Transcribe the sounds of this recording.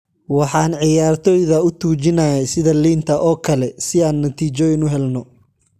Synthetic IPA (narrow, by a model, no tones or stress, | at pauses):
wɑħɑːnʕɪjaːrt̪ʰɔːjðɐʊt̪ʰuːt͡ʃɪnɐjɛsɪðɐliːnt̪ʰɐʔɔːkʰɐlɛsɪaːnːɐt̪ʰiːt͡ʃɔɪnʊɦɛlnɔ